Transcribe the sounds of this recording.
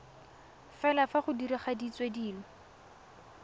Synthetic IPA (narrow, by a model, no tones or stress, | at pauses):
fɛlafaχʊdiɾiχadit͡swediːlɔ